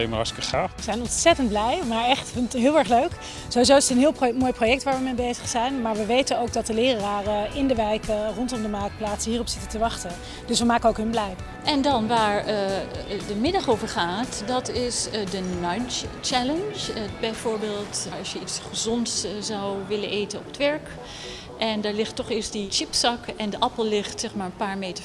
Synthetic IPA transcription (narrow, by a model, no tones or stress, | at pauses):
ejməɑskəχaːfəzɛjnɔntsɛtənd̚blɛjmaːɹɛχtfɪntɦɪːlˠɛɹχløɥk | zowizowɪstənɦɪːlˠmoːjprowjɛk̚tʋaːɹʋəmejbejzəχsɛjnmaːɹʋəʋejtənowɡ̚dɑt̚dəlɪːraːrəɪndəʋɛjkərɔntɔmdəmaːk̚plaːtsəɦiːrɔpsɪtəntəʋɑχtən | d̥ɵsʋəmaːkəowkɦɵnblɛj | ɛndɑnʋaːɹ | dəmɪdɑχowvəɹχaːtdɑtɪsdənant͡ʃt͡ʃɛlənd͡ʒəbɛjvʊːɹbeːlˠtɹɑsjəitsχəzɔntszɑwʋɪlənʔejtənɔpətʋɛɹk | ʔɛndaːɹlɪχtːɔχɪːɹsdit͡ʃɪpsɑkɛndəʔɑpəlˠlɪχtsɛχmaːɹənpaːɹmeːtə